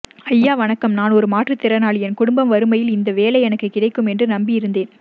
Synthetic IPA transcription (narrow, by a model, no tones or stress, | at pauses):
ɐjːaːʋɐnɐkːɐmnaːnɔɾɯmaːʈrɯt̪ːɪɾɐnaːɭɛnkʊɽʊmbɐmʋɐɾɯmɐjɪlɪnd̪ɐʋeːlɐɪɛnɐkːɯkːɪɽɐɪkːɯmɛndrɯnɐmbɪɪɾɯnd̪eːn